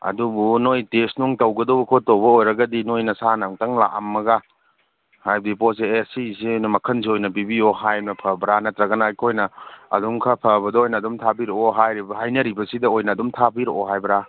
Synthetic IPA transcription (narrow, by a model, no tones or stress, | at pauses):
ɐ̰dubunojtesnuŋtɐwɡɐdɐwbɐkʰotɐwbɐojɾɐɡɐdinojnɐsanaŋtɐŋla̰ʔɐmːɐɡa | hajb̚dipɔseesisiojnɐmɐkʰɐnz̬iojnɐbibioɦajnɐpʰɐbɾanɐtɾɐɡɐnakʰojnɐ̰ːduŋkʰɐpʰɐbɐdɐojnɐːdumtʰabiɾoɔɦajɾibɐɦajnɐɾibɐsidɐojnɐːdumtʰabiɾoɔɦajbɾa